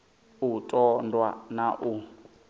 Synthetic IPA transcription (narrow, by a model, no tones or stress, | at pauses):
utʼɔndwa̰naʔu